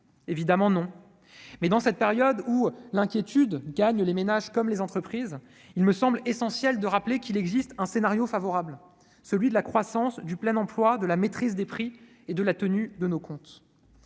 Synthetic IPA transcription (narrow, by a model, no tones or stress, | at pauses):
evid̪amɑ̃nɔ̃ | mɛd̪ɑ̃sɛt̪̚peʁjɔd̪ulɛ̃kʲjet̪ʰyd̪ɡaɲlemenaʒkɔmlezɑ̃t̪χəpχiz | ilməsɑ̃blesɑ̃sjɛld̪əʁaplekilɛɡzist̪ɛ̃senaʁjofavɔʁabl | səlɥid̪əlakχwasɑ̃sd̪yplɛnɑ̃plwad̪əlamet̪χizd̪epχi | ed̪əlat̪ənyd̪ənokɔ̃t̪